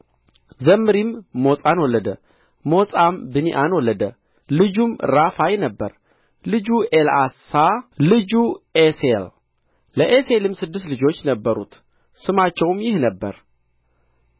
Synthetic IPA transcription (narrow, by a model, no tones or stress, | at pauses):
zəmːɨɾimːo̞sʼanwɔlːəd̪ə | mo̞sʼambɨniʔanwɔlːəd̪ə | lɨd͡ʒumɾafajɛnəbːə̰ɾ | lɨd͡ʒuʔelasalɨd͡ʒuesel | ləʔeselɨmsɨd̪ːɨs̬t̪lɨd͡ʒo̞t͡ʃːnəbːəɾṵt̪ | sɨmat͡ʃːɛwmjɪhnəbːə̰ɾ